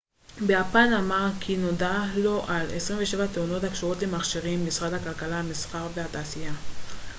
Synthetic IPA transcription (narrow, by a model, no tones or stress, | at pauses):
bejapanamaʁkʰino̞dalo̞ʔalḛsʁimveʃe̞vat̪euno̞t̪hakʃoʁo̞tle̞maχʃiʁimːisʁad̪hakalkalahamisχaʁve̞hat̪aːsija